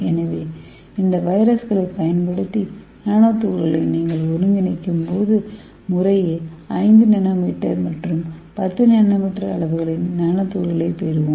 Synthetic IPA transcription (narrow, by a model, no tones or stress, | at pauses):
ɛnɐʋeː | ɪnd̪ɐʋɐɪɾɐsɣɐɭɐɪpɐjɐnpɐɽɯt̪ːi | naːnoːt̪ːuːɾɣɐɭɐɪniːŋɡɐɭʋʊɾɯŋɡ̪ɪnɐɪkːɯmpoːðɯ | mʊrɐjeːɐɪnd̪ɯnɛnaːmiːʈːɐɾmɐʈrɯmpɐt̪ːɯnɛɳnːɐmɐʈrɐːɭɐʋɯɣɐɭɪnːaːnɐt̪ːuːɾɣɐɭɐɪpeːɾɯʋɯm